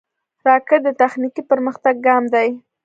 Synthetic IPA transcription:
ɾɑkəd̪ət̪axnikipəɾməxt̪aɡːɑmd̪aj

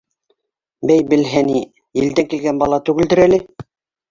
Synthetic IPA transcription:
bæjbɘ̆lɦæni | jɘ̆ld̪æŋkilɡænbɑlˠɑt̪ʉɡɘ̆ld̪ɘ̆ɾælɘ

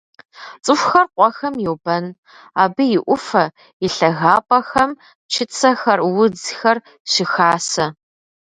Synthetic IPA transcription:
t͡sʼɨxʷxɐrqʷʼɔxɐmjɛwbɐn | aːbɨjɪʔʷʊfɐ | ɪɬɐɣaːpʰʼɐxɐm | t͡ʃʰɪt͡sʰɐxɐrwʊd͡zxɐr | ɕɪxaːsɐ

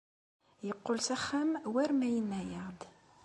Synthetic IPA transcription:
jəqːolsæχːæmwæɾmæjənːæjəʁd̪

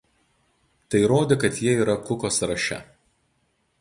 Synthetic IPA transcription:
t̪ɐɪɾoːd̪ʲeːkɐt̪jiɛiːɾɐkʊkoːsɾɐʃʲɛ̰

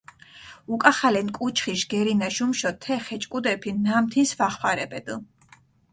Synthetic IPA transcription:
ukʼaχalɛnkʼut͡ʃʰχiʃɡɛɾinaʃumʃɔt̪ʰɛχɛt͡ʃʼkʼud̪ɛpʰinamt̪ʰinsvaχwaɾɛbɛd̪

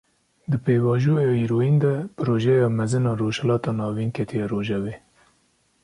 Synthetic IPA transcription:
d̪ɨpeːvɑːʒuɑjɑiɾoiːnd̪ɛpɨɾoːʒɛjɑːmɛzɨnɑːɾoːʃhɛlɑːt̪ɑːnɑːviːnkʰɛt̪ʰijɑːɾoːʒɛveː

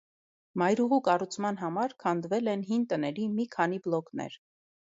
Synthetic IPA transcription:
mɑjɾuʁukɑrut͡sʰmɑn̪ɦɑmɑɾkʰɑnd̪vɛlɛnɦint̪ənɛɾimikʰɑniblɔknɛ̰ɾ

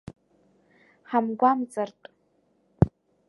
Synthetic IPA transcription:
ħamɡʷamt͡sʼartʼ

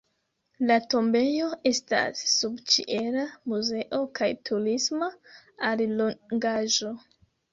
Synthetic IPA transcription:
lato̞mbe̞jo̞e̞sta̰sːubt͡ʃḭʔe̞ɾamuze̞ʔo̞kajtʰuɾismaalloŋɡaʒo̞

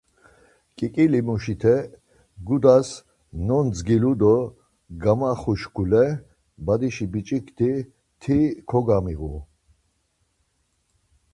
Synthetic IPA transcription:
kʼikʼilimuʃit̪ʰɛ | ɡud̪as | nɔnd͡zɡilud̪ɔ | ɡamaχuʃkʰulɛ | bad̪iʃibit͡ʃʼikt̪ʰi | t̪ʰikʰɔɡamiɣṵ

